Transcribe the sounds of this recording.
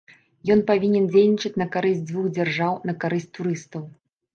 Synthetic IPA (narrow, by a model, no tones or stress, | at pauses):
jɔnpavʲinʲɛnd͡zʲelʲnʲit͡ʂɨt͡sʲnɐkaɾɨsʲtʲd͡z̪vuɣd͡zʲarʐawnɐkaɾɨsʲtʲt̪uɾɨst̪ɐw